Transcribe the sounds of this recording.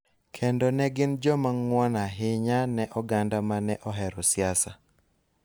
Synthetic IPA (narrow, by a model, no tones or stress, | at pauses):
kʰendɔnɛɡɪnd͡ʒɔmaŋwɔnaɦɪɲanɛʔɔɡandamanɛʔɔɦɛɾɔsjasa